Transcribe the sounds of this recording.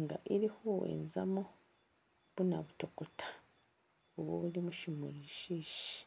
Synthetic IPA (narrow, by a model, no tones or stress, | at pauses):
ŋɡa̰ʔiɾihowḛnza̰mo | β̥unaβutokotʰḁ | oβwo̰βuɾimuʃimuɾiʃiʃi̥